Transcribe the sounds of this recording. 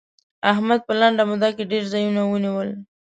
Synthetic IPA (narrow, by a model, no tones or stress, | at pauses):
aɦmad̪̚pəlaɳɖamʊd̪akeɖeɾzɑjunawəniwəl